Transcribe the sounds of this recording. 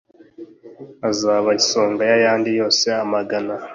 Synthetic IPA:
azaβaiso̞ːŋɡajajaːndijo̞ːseamaɡana

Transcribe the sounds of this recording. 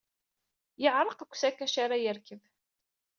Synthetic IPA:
jəʕɾˤəqakʷːsækːæʃaɾajəɾkəv

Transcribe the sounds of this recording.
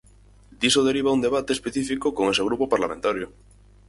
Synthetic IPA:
d̪isoðeɾiβ̞aund̪eβ̞at̪espeθifikokoŋeseɣ̞ɾupopaɾlamẽnt̪aɾjo

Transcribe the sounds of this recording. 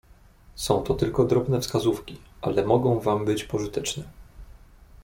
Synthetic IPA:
sɔ̃w̃t̪ɔt̪ɘlkɔd̪ɾɔbn̪ɛfskazufkʲiʔa̰lɛmɔɡɔ̃w̃vambɘt͡ɕpɔʐɘt̪ɛt͡ʂnɛ

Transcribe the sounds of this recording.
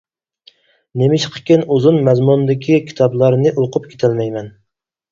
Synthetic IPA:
nemɪʃqʰə̥kʲinuzunmɛzmund̪ɪkʲʰikʲʰi̥t̪ʰɑblˠɑɾnɨʔulˠqʰʊpkʲʰe̥t̪ʰælmɛjmɛn

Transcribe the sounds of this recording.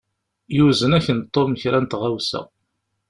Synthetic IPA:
juzənæçənt̪ˤːomçɾænt̪ʁawsæ̰

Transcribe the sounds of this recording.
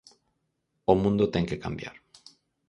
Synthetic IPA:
omũnd̪ot̪eŋkekambja̰ɾ

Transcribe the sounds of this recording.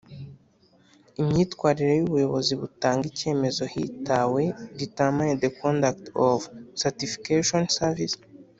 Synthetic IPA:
imɲiːtkwaːɾiɾe̞juβujo̞βo̞ziβutaːŋɡice̞ːme̞zo̞hḭtawe̞ditamajdekondaktovsatifi̥keʃonsavis

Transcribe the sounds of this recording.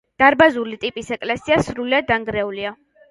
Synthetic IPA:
d̪̥aɾbazulit̪ʼipʼisɛkʼlɛsiasɾuliad̪aŋɡɾɛulia

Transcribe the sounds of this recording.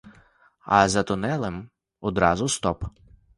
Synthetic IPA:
ɐ̰zɐt̪ʊnɛlˠem | ɔd̪ɾɑzʊst̪ɔp

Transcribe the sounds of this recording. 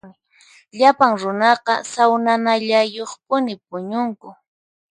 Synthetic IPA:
ɪ | ʎapaŋɾʊnɑqɑ̰sawnanaʎajoχpʊnɪp̚ʊɲʊŋkʊ

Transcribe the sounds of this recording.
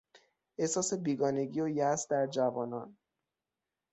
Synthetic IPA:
ʔesɒːse̞biːɡɒːne̞ɟiːojæsd̪æɾd͡ʒævɒːnɒn

